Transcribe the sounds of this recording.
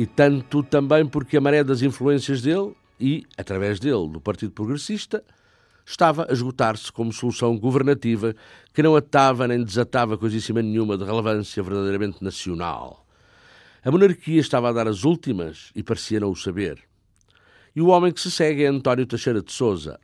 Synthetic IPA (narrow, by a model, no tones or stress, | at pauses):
it̪ɐ̃nt̪ut̪ɐ̃mbɐ̃j̃puɾkɨɐmɐɾɛðɐzĩflˠuẽsiɐʒðelˠ | iɐt̪ɾɐvɛʒðelˠd̪upɐɾt̪iðupɾuɣɾɨsiʃt̪ɐ | ʃt̪avɐʔɐʒɣut̪aɾskomusulˠusɐ̃w̃ɡuvɨɾnɐt̪ivɐkɨnɐ̃w̃ɐt̪avɐnẽj̃d̪ɨzɐt̪avɐkojzisimɐnɲumɐðɨʁɨlˠɨvɐ̃sjɐvɨɾðɐðejɾɐmẽnt̪nɐsiuna̰lˠ | ɐmunɐɾkiɐʃt̪avaðaɾɐzulˠt̪imɐ̰ʃipɐɾsiɐnɐ̃w̃usɐβeɾ | iuɔmɐ̃j̃kɨ̥sɨsɛɣɛɐ̃nt̪ɔnjut̪ɐʃejɾɐd̪sozɐ̰